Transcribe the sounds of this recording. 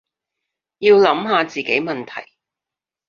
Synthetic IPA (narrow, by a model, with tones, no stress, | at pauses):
jiː˧wlɐ˨˥mɦaː˨˧t͡siː˨ke˨˥jmɐ˨nt̪ʰɐ˨˩j